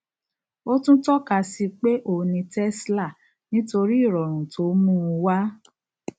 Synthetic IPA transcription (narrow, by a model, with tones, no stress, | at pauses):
o˦tũ˦tɔ˦ka˧si˧k͡pe˦ʔo˧˨nĩ˧tɛ˦sla˦˨ | nĩ˦to˧ɾi˦˨ɾɔ˨ɾ̃ũ˨tʰo˨˦mũ˦˧wa˦